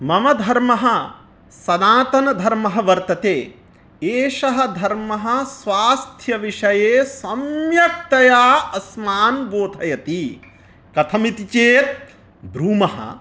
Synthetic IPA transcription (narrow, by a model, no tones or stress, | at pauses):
mɐmɐd̪ʱɐɾmɐɦɐ̆ | sɐd̪aːt̪ɐnɐd̪ʱɐɾmɐɦɐʋɐɾt̪ɐt̪eː | eːʃɐɦɐ̆d̪ʱɐɾmɐɦɐ̆sʋaːst̪ʰjɐʋiʂɐjeːsɐmjɐk̚t̪ɐjaːɐsmaːnɡoːt̪ʰɐjɐt̪i | kɐt̪ʰɐmit̪it͡ʃeːt̪̚ | bɾuːmɐɦɐ̰